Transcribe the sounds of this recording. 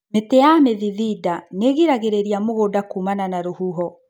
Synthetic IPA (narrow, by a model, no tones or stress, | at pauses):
metejameðiðidaneɣiɾaɣeɾeɾiamoɣoːdakumananaɾohuɦɔ